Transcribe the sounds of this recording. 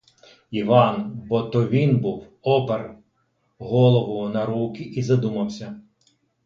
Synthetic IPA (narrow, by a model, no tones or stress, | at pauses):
iʋɑnbɔt̪ɔʋʲinbuw | ɔper | ɦɔlˠɔʋʊnɐɾukʲiʔizɐd̪umɐwsʲɐ